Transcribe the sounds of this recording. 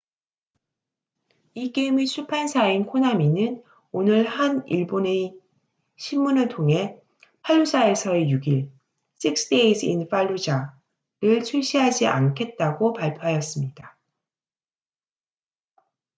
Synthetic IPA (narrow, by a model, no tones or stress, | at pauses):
ik͈eimit͡ɕʰupʰansʰainkʰonaminɯn | onɯɭhaniɭbone̞ | ɕʰimmunɯɭtʰoŋɦe̞ | pʰaʎːusʰae̞sʰʌejuɡiɭ | s͈ʰik̚s͈deisʰḭnfaʎːud͡ʑa | ɾɯɭt͡ɕʰuɭɕ͈iɦad͡ʑiʔa̰nkʰe̞t̚t͈aɡopaɭpʰjoɦajʌs͈ɯmɲid̥a